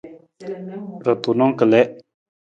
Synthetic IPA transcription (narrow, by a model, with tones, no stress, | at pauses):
ɾə˨t̪unõː˦kəlɛ˦